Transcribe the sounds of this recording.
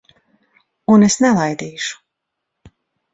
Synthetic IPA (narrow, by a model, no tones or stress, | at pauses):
unesnɛlˠajd̪iːʃu̥